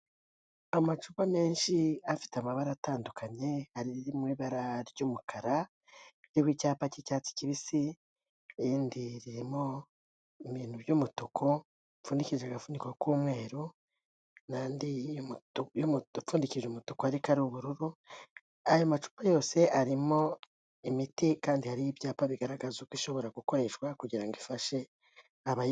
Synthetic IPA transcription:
amat͡ʃupame̞ːnʃiafi̥teamaβaɾataːndukʰaɲe̞aɾiiɾimwiːβaɾaɾɟuːmukʰaɾa | ɾiwicaːpacicaːt͡si̥ciβisi | iːndiɾiɾimo | iβiːn̥huβjumutukʰo̞ | fuːndiciʒeaɡafuːndikwokuːmwe̞ːɾu | naːndi | jomufuːndikiʒumutukoaɾikaɾuβuɾuɾu | ajo̞mat͡ʃu̥ːpajo̞ːse̞ʔaɾimo̞ | imitikaːndihaɾijibjaːpaβiɡaɾaɡazukwiʃo̞βo̞ɾaɡuko̞ɾe̞ʃwakuɟiɾaŋɡifaʃe̞ | aβa

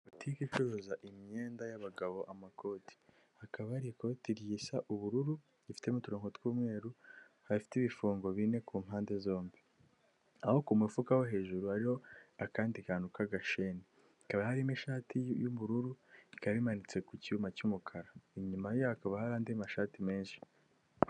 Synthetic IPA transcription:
utʰikikoɾozaʔimɲeːndajaβaɡaβo̞ʔamako̞ːti̥ | hakaβaɾikotiɾjisaʔuβuɾuɾu | ifi̥te̞mutuɾoːŋhotwuːmŋe̞ːɾu | haifi̥tiβifuːŋɡo̞βine̞kuːmɦaːnde̞zo̞ːmbi | aho̞kumwifukaho̞ɦe̞ːʒuɾuhaɾiho̞akaːndikanukaɡaʃene | ikaβahaɾimiʃaːtijumuɾuɾuikaβimanit͡se̞kuciumacumukʰaɾaiɲumajohakaβahaɾaːndiamaʃaːtime̞ːnʃi̥

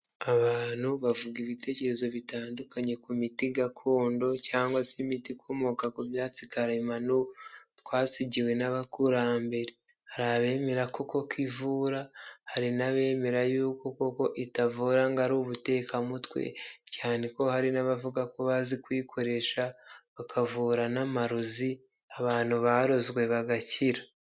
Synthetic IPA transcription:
aβaːn̥huβavuɡiβite̞ːce̞ɾe̞zo̞βitaːndukaɲe̞kumitiɡakʰo̞ːndo̞caːŋɡwasimitikʰomokakuvjaːt͡sikaɾimanutwaːsiɟiwe̞naβakuɾambe̞ɾehaɾaβe̞ːme̞ɾako̞ko̞kwivuɾahaɾinaβe̞ːme̞ɾajuːko̞koko̞ʔitavuɾaŋɡaɾuβute̞ːkamutwe̞̰caːniko̞haɾinaβavuɡako̞βazikwiːkʰo̞ɾe̞ʃaβakʰavuːɾanamaɾuzi | aβaːn̥huβaːɾo̞zɡwe̞βaɡaciɾa

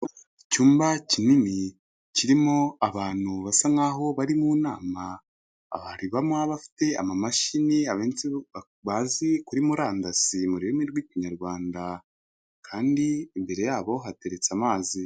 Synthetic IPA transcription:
icuːmbacinini | ciɾimo̞aβaːn̥huβasaŋaːɦo̞βaɾimuːnaːma̰ː | βaɾiβamaβafi̥te̞a̰mamaʃiniaβeːnt͡si | βazikuɾimuɾaːndasimuɾiemiɾɡwiːciɲaɾɡwaːnda | kʰaːndiːmbe̞ɾe̞jaːβo̞ɦate̞ɾe̞t͡samaːzi

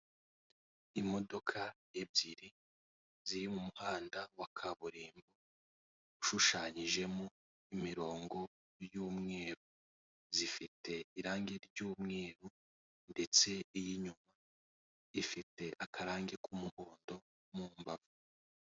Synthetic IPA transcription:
imo̞do̞kʰajebɟiɾi | ziɾimumuhaːndawakʰaβuɾiːmbu | uʃuʃaːɲiʒe̞mo | imiɾo̞ːŋɡo̞ | ɾjuːmŋe̞ːɾu | zifite̞iɾaːŋɡeɾɟuːmŋe̞ːɾu | nde̞t͡se̞ijiɲuma | ifite̞ʔakʰaɾaːŋɡekumuho̞ːndo̞ | mumbavu

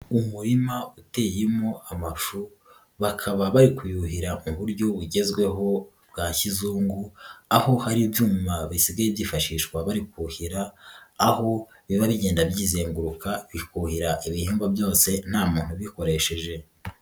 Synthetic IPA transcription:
umuɾimaute̞jemo̞amafu | βakʰaβaβaɾikujuhiɾamuβuɾɟo̞βuɟe̞zɡwe̞ɦo̞ | bɡaçizuːŋɡuaho̞haɾibjuːmaβisiɡajibjiːfaʃiːʃkwaβaɾikuhiɾaː | ho̞ | βiβaβiɟe̞ːndabjiːze̞ːŋɡuɾukaβikuhiɾaʔiβiheːmɡabjo̞ːse̞n̥haːmuːn̥huβiko̞ɾe̞ʃe̞ʒe̞

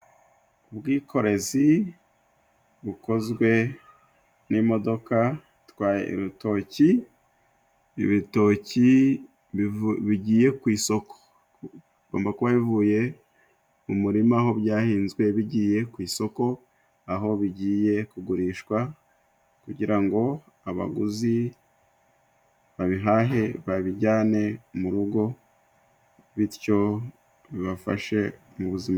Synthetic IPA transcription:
ubɡiːkʰo̞ɾe̞zi | βuko̞zɡwe̞ | nimo̞do̞ka | tkwaːjḛʔḭɾuto̞ːci | βito̞ci | βiɟiːje̞kwiːso̞ko̥ | ɡ̥o̞ːmbakuβaβivuːje̞ | umuɾimaːɦo̞bjaːhiːnzɡwe̞βiɟiːje̞kwiːso̞ko̞ | aɦo̞βiɟiːje̞kuɡuɾiːʃkwa | kuɟiɾaŋɡo̞ | aβa̰ɡuzi | βaβiɦaːɦe̞βaβiɟaːne̞muɾuɡo̞ | βiɾco̞ | βiβafa̰ʃe̞ | muβuzima

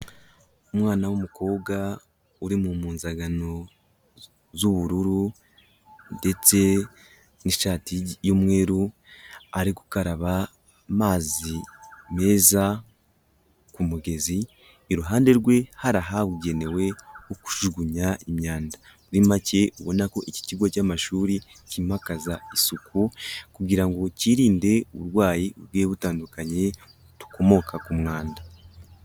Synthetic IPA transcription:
umŋaːnawumuko̞ːbɡa | uɾimumuːnzaɡano̞ | zuβuɾuɾu | nde̞t͡se̞ | niʃaːtijomŋe̞ːɾu | aɾiku̥kaɾaβa | maːzime̞ːza | kumuɡe̞ziː | ɾuɦaːnde̞ɾɡwe̞haɾaɦaβuɟe̞ne̞we̞oku̥ʒuɡuɲaimɲaːnda | uɾimace̞uβo̞nako̞ʔici̥ciɡwocamaʃuːɾi | cimakazaisukʰukuɡiɾaŋɡo̞ciɾiːnde̞uβuɾwaːjiuβɡeːβutaːndukaɲe̞ | tu̥ko̞mo̞kʰakumŋaːnda

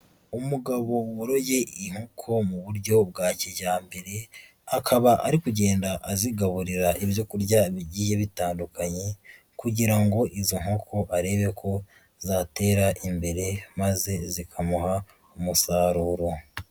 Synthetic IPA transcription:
umuɡaβo̞woɾo̞je̞iŋ̥hokʰo̞muβuɾɟo̞b̚ɡaːciɟaːmbe̞ɾe̞ | akʰaβaʔaɾikuɟe̞ːndaʔaziɡaβuɾiɾaʔiβjo̞kuɾɟaβiɟije̞βitaːndukaɲe̞ | kuɟiɾaŋɡo̞ʔizoŋ̥hokʰo̞ʔaɾe̞βe̞kʰo̞ | zate̞ːɾaʔimbe̞ɾe̞maze̞zikʰamuɦa | umusaːɾuːɾo̞

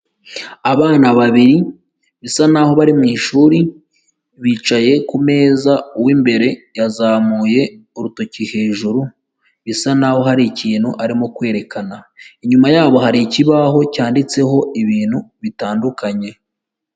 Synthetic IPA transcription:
aβaːnaβaβiɾi | βisanaho̞βaɾimiːʃuːɾi | βiːt͡ʃaje̞kume̞ːzauwimbe̞ɾe̞jazaːmuːje̞uɾutocihe̞ːʒuɾu | βisanaːho̞ɦaɾiciːnhuʔaɾimo̞kwe̞ːɾe̞kanaiɲumajaːβo̞haɾiciβaɦo̞caːndit͡se̞ɦo̞iβiːn̥huβitaːndukaɲe̞

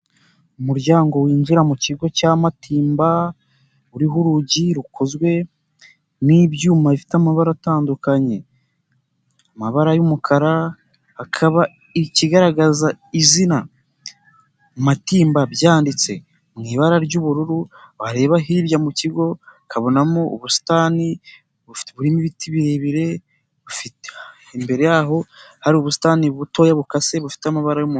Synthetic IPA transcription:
umuɾɟaːŋɡo̞wiːnziɾamuciɡo̞camatʰiːmba | uɾiɦuɾuɟiɾukozɡwe̞ | nibɟuːmaβifi̥tamaβaɾataːndukaɲe̞ | amaβaɾajumukʰaɾa | hakʰaβa | iciɡaɾaɡazaizina | matiːmbabjaːndit͡se̞ | mŋiːβaɾaɾɟuβuɾuɾuβaɾe̞ːβaɦiɾjamuciɡo̞kʰaβo̞namouβusi̥taːni | βufi̥tβuɾimiβitiβiɾe̞βiɾe̞ | βufite | embe̞ɾe̞jaːɦo̞haɾiuβusi̥taːniβuto̞ːjaβukase̞βufi̥teamaβaɾajumu

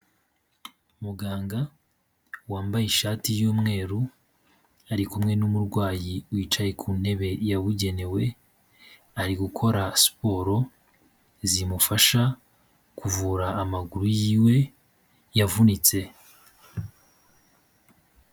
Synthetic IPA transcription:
muɡaːŋɡa | waːmbajiʃaːtijuːmŋe̞ːɾu | aɾikumŋe̞numuɾɡwaːjiwiːt͡ʃaje̞kʰuːn̥he̞βe̞jaβuɟe̞ne̞we̞ | aɾiɡukʰo̞ɾaspo̞ɾo̞ | zimufaʃa | kʰuvuːɾaːmaɡuɾujiːwe̞ | javunit͡se̞

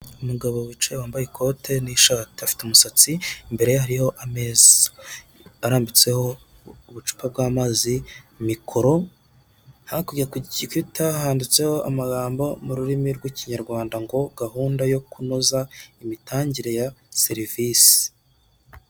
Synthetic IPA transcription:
umuɡaβowit͡ʃewaːmbajekʰo̞tʰe̞niʃateafi̥teumusat͡simbe̞ɾe̞jahaɾiho̞ʔameza | aɾaːmbit͡se̞ho̞ | uβut͡ʃu̥pʰab̚ɡaːmaːzimikʰo̞ɾo̞ | hakuɡiɾakuɟiɟikitahaːndit͡se̞ho̞ʔa̰maɡaːmbo̞muɾuɾimiɾɡwiciɲaɾɡwaːndaŋɡo̞ɡahuːndajo̞kunozaimitaːɲɟiɾe̞jaseɾivisi̥

